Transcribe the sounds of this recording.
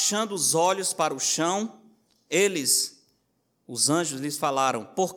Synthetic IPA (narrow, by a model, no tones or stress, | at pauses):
ʃɐ̃nd̪ʊːzɔʎʊspaɾɐʊʃɐ̃w̃ | elɪs | ʊzɐ̃ʒʊzlɪsfalaɾɐ̃w̃poɾk